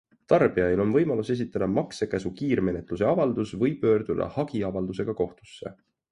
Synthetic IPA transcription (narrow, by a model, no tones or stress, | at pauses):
t̪ɑrb̥iɑjlo̞nvɤ̞jmɑluse̞s̬it̪ːˑɑd̪̥ɑmɑkse̞kæsukiːrme̞ne̞t̪ˑluse̞ɑvɑld̪̥usvɤjpːø̞ːrd̪̥ud̪̥ɑ̰hɑɡ̥iɑvɑld̪use̞ɡ̥ɑko̞ht̪u̥sːe̞̰